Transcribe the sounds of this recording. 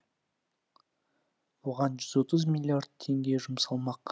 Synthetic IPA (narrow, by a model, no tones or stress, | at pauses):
wo̞ʁɑnʒʏzwo̞t̪əzmʲilʲiard̪̚t̪ʰːe̞ŋɡʲe̞ʒʊmsɑlˠmɑq